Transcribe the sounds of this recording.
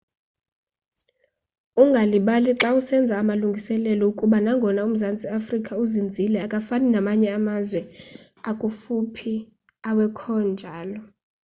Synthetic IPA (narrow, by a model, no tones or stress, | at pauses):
uŋɡʱaliɓaliǁausɛnd͡zʱaːmaluŋɡʱisɛlɛlɔukʼuɓanaŋɡʱɔnaum̩zand͡zʱʼiafrikʼauzind͡zʱilɛakʼafaninamaɲɛamazwɛ | akʼufupʰi | awɛkʰɔnd͡ʒʱaːlɔ